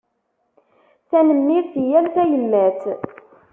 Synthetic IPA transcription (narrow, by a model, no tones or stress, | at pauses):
θænəmːiɾθijæmθæjəmːæθ